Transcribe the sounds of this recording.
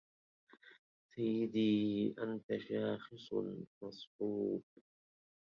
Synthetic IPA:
sajːɪd̪iːʔant̪aʃaːxɨsˤmɑsˤħuːb̚

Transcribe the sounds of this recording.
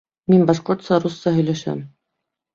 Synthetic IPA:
minbɑʃqoɾt̪sɑɾusːɑhɵ̆jlæʃæ̰m

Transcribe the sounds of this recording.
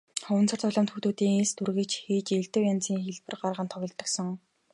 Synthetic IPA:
χʊw̆nt͡sʰɔ̆r̥t͡sʰɔɮɔːmt̪xut̪uːt̪iːŋeɮst̪ʰurɣĕt͡ɕxiːt͡ɕeɮt̪ɘ̆wjant͡siːŋxeɮpɘ̆rɢarʁə̆nt̪ʰɔɣʲɪ̆ɮt̪ːə̆ksɞ̆ŋ

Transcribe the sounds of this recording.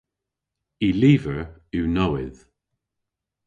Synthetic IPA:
iliːvəɹuwnɔwɪð

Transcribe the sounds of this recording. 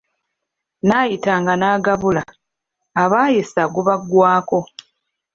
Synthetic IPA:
naːjitaːŋɡanaːɡaβula | aβaːjisaɡuβaɡwaːko̞

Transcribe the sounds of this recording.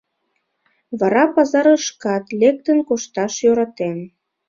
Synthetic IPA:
βɑɾɑpɑzɑɾəʃkɑt̪lek̚t̪ənkoʃt̪ɑʃjøɾɑt̪en

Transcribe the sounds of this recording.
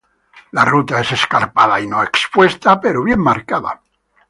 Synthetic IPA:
larut̪ae̞se̞skaɾpaðainoekspwe̞st̪apeɾoβ̞je̞mːaɾkaða̰

